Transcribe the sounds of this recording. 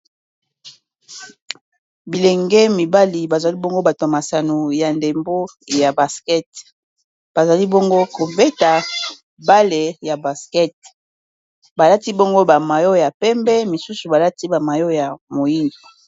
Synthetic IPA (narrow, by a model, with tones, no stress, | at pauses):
bi˨lɛ˨ŋɡɛ˦mi˨ba˦li˨ba˨za˨li˦bo˦ŋɡo˦ba˨twma˨sa˨no˨ja˨nde˨mbo˦ja˨ba˨skɛ˦t | b̥a˨za˨li˦bo˦ŋɡo˦ko˨be˦ta˨ | ba˦le˨ja˨ba˨skɛ˦t̚ | ba˨la˦ti˦bo˦ŋɡo˦ba˨ma˨jo˦ja˨pɛ˦mbɛ˦mi˨su˦su˨ba˨la˦ti˦ba˨ma˨jo˦ja˨mo˨ji˦ndo˨